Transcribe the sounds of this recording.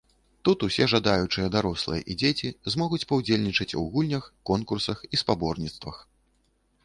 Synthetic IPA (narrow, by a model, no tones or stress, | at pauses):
t̪ut̪usʲɛʐad̪ajut͡ʂɨjɐd̪aɾɔslˠɨ̰jɐ̰ʔid͡zʲet͡sʲizmɔɣut͡sʲpɐwd͡zʲelʲnʲit͡ʂɐt͡sʲṵɣulʲnʲɐxkɔnkursɐxispabɔrnʲit̪st̪vɐ̰x